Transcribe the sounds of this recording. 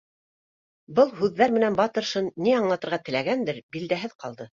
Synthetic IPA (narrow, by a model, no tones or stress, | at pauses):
bɤlˠɦʉðːæɾmɘ̆nænbɑt̪ɤ̆ɾʃɤnːiɑɴlˠɑt̪ɤ̆ɾʁɑt̪ɘ̆læɡænd̪ɘɾbild̪æɦɘðqɑlˠd̪ɤ